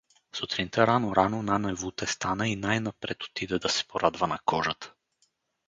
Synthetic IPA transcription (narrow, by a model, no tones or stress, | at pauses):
sut̪ɾint̪ʰɛɾanoɾanonanɛvut̪ɛst̪anəinajnapɾɛt̪o̥t̪id̪ɛd̪ɐsɛ̥poɾad̪vənɐkɔʒət̪